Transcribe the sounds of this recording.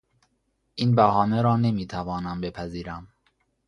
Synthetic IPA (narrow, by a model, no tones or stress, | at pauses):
ʔinbæhɒːneɾɒːne̞miːt̪ʰævɒːnæmbe̞pʰæziːɾæm